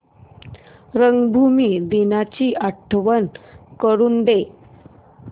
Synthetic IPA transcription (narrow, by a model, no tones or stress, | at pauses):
ɾəŋɡbʱumiːd̪inat͡ɕiːʔəʈʰʋənkəɾuːnɖ̪e